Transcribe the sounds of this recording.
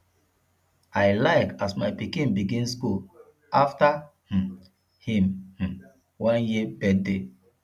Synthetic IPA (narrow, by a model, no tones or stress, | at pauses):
ajlaɪkasmajpikĩnbiɡĩnskul | aftah̩ | hĩmh̩ | wɔ̃njibɛdde